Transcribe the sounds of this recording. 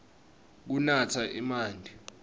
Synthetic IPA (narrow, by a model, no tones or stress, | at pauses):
k̬unatʰaʔimaːndʱi